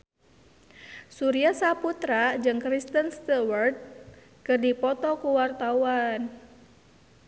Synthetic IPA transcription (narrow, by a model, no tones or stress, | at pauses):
suɾiasaput̪ɾad͡ʒɨŋkɾist̪ənst̪awərd̪̚ | kɨrdipɔt̪ɔkuwart̪auan